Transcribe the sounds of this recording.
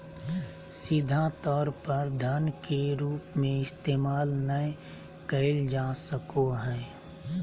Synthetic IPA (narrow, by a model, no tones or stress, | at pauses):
sɪd̪ʱat̪ɔːɾpəɾd̪ʱənkeɾuːpmẽɪst̪eːmaːlnə | kəɪld͡ʒaːsəkoɦɛ̃ː